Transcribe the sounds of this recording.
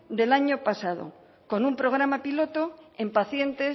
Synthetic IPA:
d̪e̞laɲo̞pasað̞o̰ | ko̞numpɾo̞ɣ̞ɾamapilo̞t̪o̞ẽ̞mpaθje̞nt̪e̞

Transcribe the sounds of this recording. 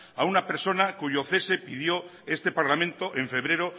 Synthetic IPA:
aunape̞ɾso̞nakuʝoθesepið̞jo | est̪epaɾlamẽnt̪oʔẽɱfe̞β̞ɾeɾo

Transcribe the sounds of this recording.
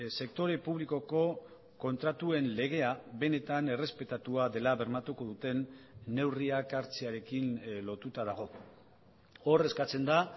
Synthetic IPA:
se̞k̚t̪o̞ɾe̞puβ̞liko̞ko̞ | ko̞nt̪ɾat̪ue̞nle̞ɣ̞e̞aβe̞ne̞t̪ane̞re̞spe̞t̪at̪uaðe̞laβe̞ɾmat̪uko̞ðut̪e̞nːe̞wriakaɾt͡seaɾe̞kinlo̞t̪ut̪aðaɣ̞o̞ | o̞re̞skat͡se̞nd̪a

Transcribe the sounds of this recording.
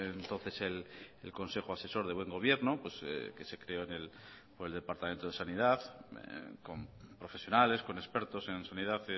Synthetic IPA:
ent̪o̞nθe̞selelko̞nse̞xoase̞so̞ɾðe̞βwe̞ŋɡo̞β̞je̞ɾnopwesḛke̞se̞kɾeoenel | poɾeld̪epaɾt̪ament̪oð̞e̞sanið̞aθ | ko̞mpɾo̞fe̞sjo̞nale̞sko̞ne̞speɾt̪o̞se̞nsaniðaθ

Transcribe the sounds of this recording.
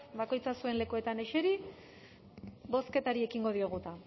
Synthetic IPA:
bako̞jt͡sasue̞nle̞kue̞t̪ane̞ʃe̞ɾi | bo̞ske̞t̪aɾie̞kiŋɡo̞ð̞io̞ɣ̞ut̪a

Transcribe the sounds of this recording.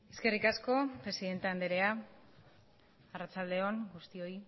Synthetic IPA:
e̞ske̞rikasko̞pɾe̞siðe̞nt̪eand̪eɾe̞a | arat͡ʃald̪e̞o̞nɡust̪io̞i

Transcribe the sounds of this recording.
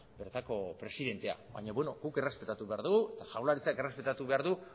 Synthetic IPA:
be̞ɾt̪ako̞pɾe̞siðe̞nt̪e̞a̰βa̰ɲaβeno̞ɡuke̞re̞spet̪at̪uβe̞aɾðuɣet̪aʝawlaɾit͡sake̞re̞spet̪at̪uβe̞aɾðu

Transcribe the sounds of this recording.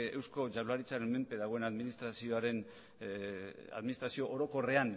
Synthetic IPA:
e̞wsko̞ʝaβlaɾit͡saɾe̞nme̞mpe̞ðaɣ̞o̞e̞naðminist̪ɾasio̞aɾe̞n | a̰ðminist̪ɾasio̞ʔoɾo̞ko̞re̞an

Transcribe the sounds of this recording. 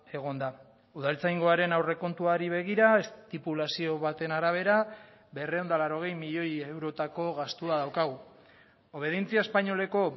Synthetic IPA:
e̞ɣ̞o̞nd̪a | uðalt͡sajŋɡo̞aɾe̞nawre̞ko̞nt̪uaɾiβ̞e̞ɣ̞iɾae̞st̪ipulasio̞βat̪e̞naɾaβ̞e̞ɾa | be̞reo̞nd̪alaɾo̞ɣ̞e̞jmiʎo̞jewɾo̞t̪ako̞ɣast̪uaðawkaɣ̞u | o̞β̞e̞ð̞int͡siaespaɲo̞le̞ko̞

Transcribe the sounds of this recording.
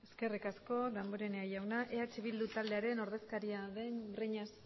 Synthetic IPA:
e̞ske̞rikasko̞d̪amboɾe̞neajawnaʔe̞at͡ʃeβild̪ut̪ald̪e̞aɾe̞no̞ɾðe̞skaɾiaðenbreɲas

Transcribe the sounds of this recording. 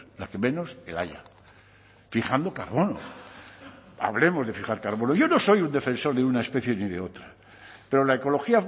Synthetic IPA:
lake̞mẽ̞no̞sḛla̰ja̰ | fixand̪o̞kaɾβo̞no̰ | a̰βle̞mo̞zðe̞fixaɾkaɾβo̞noʝo̞no̞so̞jund̪e̞fe̞nso̞ɾðeunae̞spe̞θje̞niðe̞o̞t̪ɾa | pe̞ɾo̞lae̞ko̞lo̞xia

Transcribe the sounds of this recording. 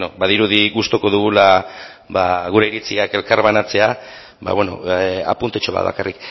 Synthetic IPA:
nobaðiɾuðiɣust̪o̞ko̞ðuɣ̞ula | βaɣ̞uɾe̞iɾit͡siake̞lkaɾβanat͡se̞a | βa̰βe̞no̞̰a̰punt̪et͡ʃo̞βa̰ða̰karʔik

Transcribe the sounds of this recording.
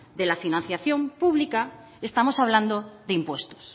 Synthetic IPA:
ðe̞lafinãn̟θjaθjo̞mpuβlika | est̪amo̞saβ̞land̪oðeimpwe̞st̪o̥s

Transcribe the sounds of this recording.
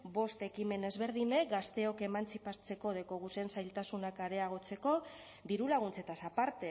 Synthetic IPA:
bo̞st̪e̞kime̞ne̞zβeɾðine̞k̚ɡast̪e̞o̞ke̞mant͡sipat͡se̞ko̞ð̞e̞ko̞ɣusensajlt̪asunakaɾe̞aɣ̞o̞t͡se̞ko̞ | ðiɾulaɣunt͡se̞t̪asapaɾt̪e̞

